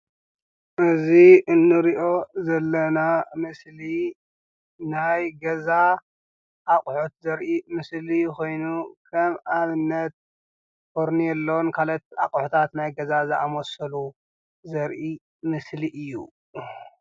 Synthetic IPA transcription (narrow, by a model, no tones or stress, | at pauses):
ʔɨziɨnːɨɾiʔo̞zɐlːɐnamɨsli | najɡɐza | ʔːkʼħut̪zɐɾʔimɨslijko̞jnukʰɐmʔaβɨnːɐt̪̚ | foɾnijɛlːonkʰalɐt̪̚akʼħut̪ʰat̪najɡɐzazɨamosɐlu | zɐɾʔi | mɨsliʔɨjːṵ